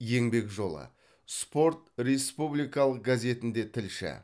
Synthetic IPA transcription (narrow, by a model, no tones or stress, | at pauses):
je̞ŋbe̞kʒo̞lˠə̰ | spo̞ɾt̪ɾe̞spublijkɑlˠəq̚ɡazʲe̞t̪ɪnd̪e̞t̪ʰɪlʃɪ̰